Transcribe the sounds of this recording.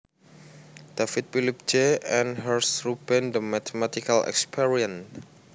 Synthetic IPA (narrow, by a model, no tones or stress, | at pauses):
d̥afit̪̚filip̚d͡ʒeɛ̃nɦərsɹubendəmat̪emat̪ikalɛ̰kspʰiɹiə̃n